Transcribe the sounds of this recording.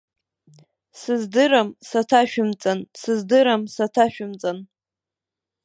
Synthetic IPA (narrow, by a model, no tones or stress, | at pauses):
sɨzdɨɾamsatʰaʃᶣɪmt͡sʼansɨzdɨɾamsatʰaʃᶣʊmt͡sʼan